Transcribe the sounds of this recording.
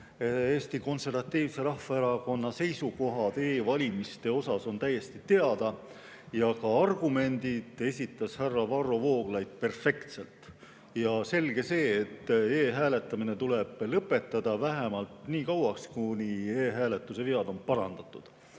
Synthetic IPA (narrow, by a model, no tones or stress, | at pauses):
eːst̪iko̞nse̞rvɑt̪ːiːvse̞ɾɑhːɑeɾɑko̞nːɑse̞jsuko̞ɦɑd̪̥e̞ːvɑlʲimist̪e̞o̞sɑso̞nt̪æjːe̞st̪it̪e̞ɑd̪̥ɑ | jɑkɑɑrɡ̥ume̞nʲd̪̥id̪̥e̞sʲit̪ːˑɑshærːɑvɑro̞vo̞ːɡ̥lɑjd̪̥̚pe̞rfe̞kt̪se̞lt̪ˑ | jɑse̞lɡ̥e̞se̞ːt̪ːeːɦæːle̞t̪ːˑɑmine̞t̪ule̞b̥lɤpːˑe̞t̪ˑːɑd̪̥ɑvæɦemɑlt̪niːkɑwɑkskunieːɦæːle̞t̪ːˑuseveɑd̪̥o̞npɑɾɑ̰nd̪̥ɑt̪ːˑud̪̥